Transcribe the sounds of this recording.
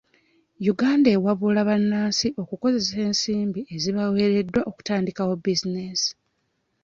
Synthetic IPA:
juɡaːndaewaβulaβanːaːnsiʔo̞kuko̞ze̞se̞ːnsiːmbie̞ziβawe̞ːɾe̞dːwaʔo̞ku̥taːndikawobizinesi̥

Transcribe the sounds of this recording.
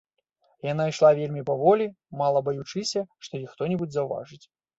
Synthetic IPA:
jan̪aiʂlˠavʲelʲmʲipɐvɔlʲi | malˠɐbɐjut͡ʂɨsʲɐʂt̪ɔjixt̪ɔnʲɛbud͡zʲzɐwva̰ʐɨt͡sʲ

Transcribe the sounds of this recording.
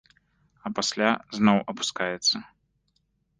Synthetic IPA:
ɐpasʲlʲaznɔwʔɐpu̥skajɛt̪sːɐ

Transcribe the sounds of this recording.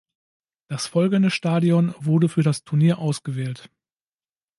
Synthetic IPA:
d̥asfɔlɡn̩dəʃtaːdiɔnvʊɐdəfyːɐɾastʰʊɐniːɐʔaʊsɡ̥əvɛːlt

